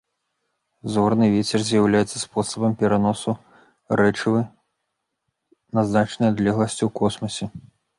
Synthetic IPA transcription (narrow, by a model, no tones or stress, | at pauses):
zɔrnɨvʲɛt͡sʲɛrzʲjawlʲajɛt̪sːɐspɔsɐbɐmpʲɛɾanɔsu | ɾɛt͡ʂɨvɨ | nɐznat͡ʂnɐjad̪lʲɛɣlˠɐsʲt͡sʲiwkɔsmɐsʲɛ